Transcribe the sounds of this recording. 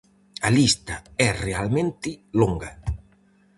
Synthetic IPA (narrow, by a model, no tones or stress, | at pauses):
alist̪aɛrealmẽnt̪ɪloŋɡa